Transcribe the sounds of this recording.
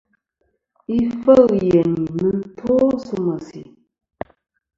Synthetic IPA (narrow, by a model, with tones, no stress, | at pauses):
i˦fə˦ɰje˨ni˨nə˦n̩˦tʰo˦sə˦mə˨sḭ˨